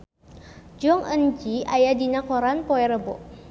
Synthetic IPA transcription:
d͡ʒɔŋʔənd͡ʒiajadinakɔɾanpɔɛɾəbɔ̰ʔ

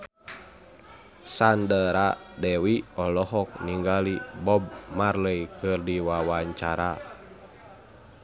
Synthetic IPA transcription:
sandəɾadɛwiɔlɔɦɔk̚niŋɡalibɔb̚marləjkʰɨrdiwawaɲt͡ʃaɾa

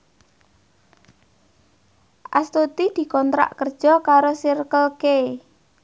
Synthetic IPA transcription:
ʔa̰st̪ut̪id̪̥i̤kɔnt̪ɾa̰ʔkərd̥ʒ̥ɔ̤kaɾosirkəlke

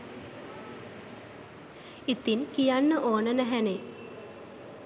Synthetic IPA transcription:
it̪inkijanːəʔoːnənæɦæne

